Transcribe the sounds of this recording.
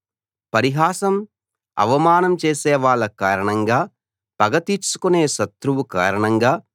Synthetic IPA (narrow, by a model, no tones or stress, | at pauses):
pɐɾiɦaːsɐm | ɐ̰ʋɐmaːnɐmt͡ʃeːsɛːʋaːɭːɐkaːɾɐɳɐŋɡaː | pɐɡɐt̪it͡ʃu̥kuneːʃɐt̪ɾuʋuka̰ːɾɐɳɐŋɡaː